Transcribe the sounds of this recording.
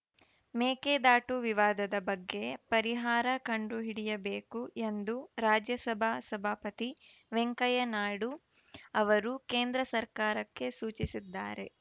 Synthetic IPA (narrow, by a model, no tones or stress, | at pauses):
meːkeːd̪aːʈuʋiʋaːd̪ɐd̪ɐbɐɡːe̞pɐɾiɦaːɾɐkɐɳɖuɦiɽijɐbe̞ːkuʔe̞nd̪uɾaːd͡ʒjɐsɐbʱasɐbʱaːpɐt̪iʋeŋkɐjɐnaːɽu | ɐʋɐɾukeːnd̪ɾɐsɐɾkaːɾɐkːe̞suːt͡ʃisid̪ːa̰ːɾe̞